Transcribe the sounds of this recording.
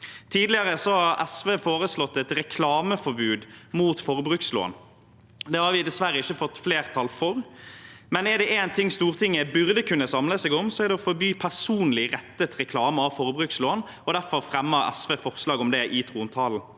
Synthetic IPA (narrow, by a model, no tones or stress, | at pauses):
t̪ʰiːd̪lɪəɾəsɔhɑɾɛsʋeːfoːɾəslɔt̪ːɛt̪ɾɛkʰlɑːməfɔɾbʉːd̪muːt̪fɔɾbɾʉːkslo̰ːə̰n | d̪ɛhɑɾʋɪd̪ɛsʋæɾəɪçːəfɔt̪ːfleːʁt̪ʰɑlfɔɾmɛnæɾd̪ɛʔeːnt̪ʰɪŋːst̪uːʁt̪ʰɪŋːəbʉʁd̪əkʉnːəsɑmləsɛːɡɔmsɔæɾd̪ɛɔfɔɾbyːpʰæʁsuːnlɪʁɛt̪ːət̪ɾɛkʰlɑːməɑʋfɔʁbɾʉːksloːn | ɔd̪æɾfɔɾfɾɛmːəɾɛ̰sʋeːfɔʁslɑːɡɔmd̪ɛʔɪt̪ʰʁuːnt̪ʰɑːln̩